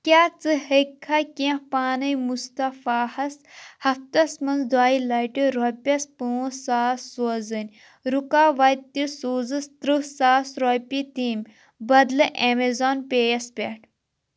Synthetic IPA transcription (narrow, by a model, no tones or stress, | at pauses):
kʲaːt͡sɨhekʰːakʲẽhpaːnɐjmust̪ɐfaːhɐshɐft̪ɐsmɐnzd̪aːilɐjʈiɾopʲɐspuːsaːsːozɨnʲ | ɾukaːʋɐt̪isuːzɨst̪ɾɨsaːsɾopʲit̪iːm | bɐd̪lɨʔemezoːnpʲeːjɐspʲeʈʰ